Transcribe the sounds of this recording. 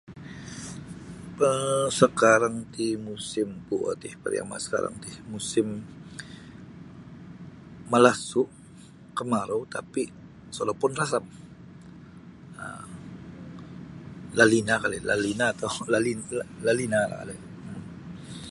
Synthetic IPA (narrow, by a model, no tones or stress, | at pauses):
əsəkaɾaŋt̪imusɪmpua̰t̪ɪhpə̰ɾja̰ma̰sə̥ka̰ɾa̰ŋt̪ihmusɪm | məlasʊʔ | kəmaɾot̪api | solapʊnrasam | ə̰ | lalinakalɛlalinaːt̪awlalinlalinala̰ka̰lɛ